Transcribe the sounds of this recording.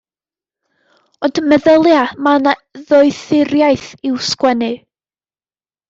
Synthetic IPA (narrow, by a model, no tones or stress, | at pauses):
ɔndmɛðəlˠjamanaðɔɨθɪɾjaɨθɪwskwɛnɨ